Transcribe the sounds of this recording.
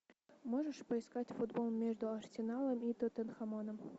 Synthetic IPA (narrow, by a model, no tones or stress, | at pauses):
moʐəʂpəɪskatʲfud̪bolˠmʲeʐd̪ʊɐrsʲɪnɑlˠəmit̪ət̪ənxɐmonəm